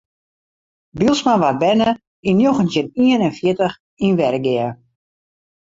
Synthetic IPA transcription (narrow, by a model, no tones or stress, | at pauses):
bilˠsmanʋat̚bɛnə | injoxəntjəniənɛnfjɪtəx | inʋɛɾəɡɪə